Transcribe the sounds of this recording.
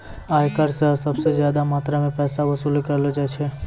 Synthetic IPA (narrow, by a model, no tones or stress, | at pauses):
aːjkəɾsəɦsəbsezjaːd̪amaːt̪ɾamẽpɛːsaʋɐsuːlkəɾlod͡ʒat͡ʃʰɛ